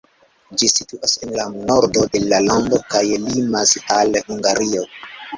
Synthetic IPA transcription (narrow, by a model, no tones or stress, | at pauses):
d͡ʒisituʔasenlano̞ɾdo̞de̞lalando̞kajlimasalhuŋɡaɾio̞